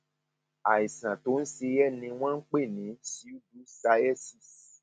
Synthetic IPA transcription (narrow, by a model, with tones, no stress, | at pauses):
a˨i˨sã˨to˨˦n̩˦se˧jɛ˦˨nĩ˧w̃ɔ̃˦n̩˦k͡pe˦˨nĩ˨˦ti˨˦u˦du˨˦sa˧ɛ˦˨si˦˨s